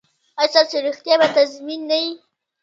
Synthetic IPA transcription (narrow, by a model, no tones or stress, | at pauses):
asaseɾixt̪jabat̪azminːaji